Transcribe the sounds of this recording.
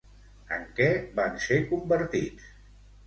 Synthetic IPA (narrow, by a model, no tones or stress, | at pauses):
ə̰ŋkɛbansekumbəɾt̪it͡s